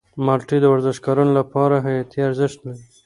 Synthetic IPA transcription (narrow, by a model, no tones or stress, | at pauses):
mɑlʈid̪əwaɾzɪʃkɑɾunolapɑɾaɦajɑt̪iaɾzɪʃt̪lawi